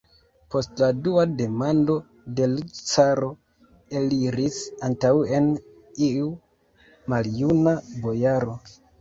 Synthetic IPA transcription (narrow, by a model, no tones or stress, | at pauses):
po̞stladuade̞mando̞ | de̞lt͡saɾo̞ | e̞liɾisantawe̞n | iu | maljunabo̞jaɾo̞